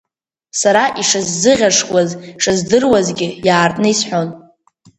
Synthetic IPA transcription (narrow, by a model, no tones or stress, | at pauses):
saɾaʔiʂazːɨʁʲaʂwazʂɨzdɨrwazɡʲɪjaːrtʼnɨisħʷo̞n